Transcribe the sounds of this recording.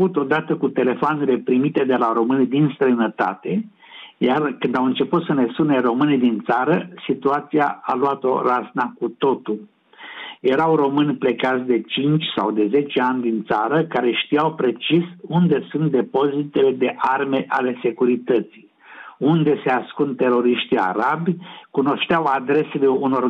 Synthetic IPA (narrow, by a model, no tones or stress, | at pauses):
ut̪o̞d̪at̪əkut̪e̞le̞foanele̞pɾimit̪e̞d̪e̞laɾo̞mɨnid̪inst̪ɾəjnət̪a̰t̪e̞ | jarkɨnd̪awɨnt͡ʃe̞put̪səne̞sunero̞mɨnid̪int̪saɾəsit̪uat̪siaaluat̪o̞̰ɾaznakut̪o̞t̪ul | je̞ɾawro̞mɨnʲple̞kat̪sʲd̪e̞t͡ʃint͡ʃʲsa̰wd̪e̞ze̞t͡ʃe̞anʲd̪int̪saɾəkaɾe̞ʃt̪ijawpɾe̞t͡ʃisund̪e̞sunt̪̚d̪e̞po̞zit̪e̞le̞d̪e̞ʔarme̞ʔale̞se̞kuɾit̪ət̪si | und̪e̞se̞askunt̪e̞ɾo̞ɾiʃt̪ia̰ɾabʲkuno̞ʃt̪eawad̪ɾe̞se̞le̞uno̞r